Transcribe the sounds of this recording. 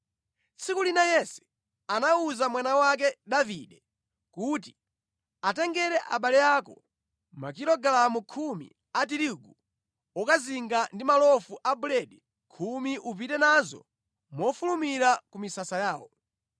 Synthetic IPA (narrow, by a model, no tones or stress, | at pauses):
t͡sʰikulinajɛsɛ̥ | anauzamwanawak̬ɛdaviɗɛ | kuti | atɛŋɡɛɾɛʔa̰ɓalɛjaːkɔ | ma̰kiɾɔɡalamukʰumḭ | atiɾuɡu | ɔkaziŋɡandimalɔfuʔabulɛɗɛ | kʰumiʔup̬itɛnazɔ̰ | mɔfulumiɾakumisasajaːwɔ